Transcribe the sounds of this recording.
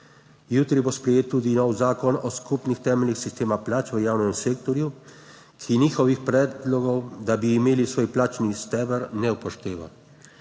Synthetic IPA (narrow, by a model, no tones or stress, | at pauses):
juːt̪ɾibospɾɛjeːt̪ːuːd̪inɔwzaːkɔnɔskupnixt̪ɛːmɛlnixsist̪eːmaplaːt͡ʃʋəjaːwnɛmseːk̚t̪ɔɾju | kʰiniːxɔʋixpɾɛːd̪lɔɡɔwd̪abiːmeːlisʋoːjplaːt͡ʃnist̪ɛːʋəɾnɛuwpɔʃt̪eːʋa̰